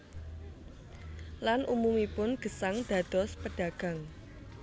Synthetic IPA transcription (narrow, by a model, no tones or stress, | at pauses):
lanʔumumipʊnɡ̥ə̤saŋd̪̥ä̤d̪̥ɔ̤spəɖ̥ä̤ɡ̥ä̤ŋ